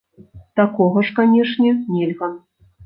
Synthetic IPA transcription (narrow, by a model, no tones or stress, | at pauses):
t̪akɔɣɐʂkanʲɛʂnʲɛnʲɛlʲɣɐ